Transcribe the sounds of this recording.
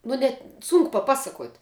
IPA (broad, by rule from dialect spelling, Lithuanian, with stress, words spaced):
ˈnʊ nʲɛt ˈsʊŋkʊ pɐˈpɑːsɐˌkuɔtʲ